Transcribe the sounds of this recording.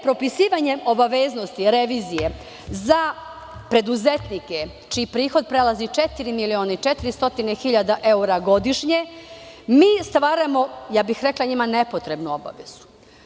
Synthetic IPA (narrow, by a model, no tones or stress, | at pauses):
pɾo̞pisiːʋaɲe̞o̞baʋeːzno̞st̪iɾeʋiːzije̞ | za | pɾe̞d̪uzet̪nike | t͡ʃijipɾiːxo̞d̪̚pɾe̞lazit͡ʃet̪iɾimilioːnait͡ʃet̪iɾist̪o̞t̪inexiʎad̪aʔe̞uɾaɡo̞d̪iʃɲemiːst̪ʋaːɾamo̞jaːbixɾe̞klaɲimane̞po̞t̪ɾe̞bnuo̞ba̰ʋe̞zu̥